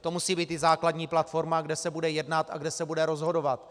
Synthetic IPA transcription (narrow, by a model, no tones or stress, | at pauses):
t̪o̞musiːbiːt̪ɪzaːkladɲiːplat̪fo̞ɾmaɡdɛsɛbudɛjɛdnat̪a̰ɡdɛsɛbudɛɾo̞zɦo̞do̞vat̪